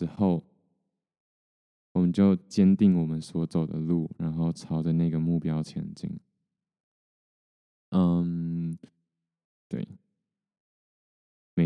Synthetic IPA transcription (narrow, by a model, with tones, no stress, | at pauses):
ɻ̩˧˥xo˥˩ʊ | wɔ˨˩mə˦nt͡ɕjo˥˩ʊt͡ɕjɛ˥nt̪i˥˩ŋwɔ˨˩mə˦nswɔ˧˥t͡so˨˩ʊd̪ə̰˦lṵ˥˩ɻa˧˦nxo˥˩ʊt͡sʰɑ˥ʊʈ͡ʂə˧na˥˩ɡə˩mu˥˩pjɑ˥ʊt͡ɕʰjɛ̰˧˥nt͡ɕḭ˥ŋ | ʔə˧˩m | t̪wḛ˥˩ɪ | me˨˧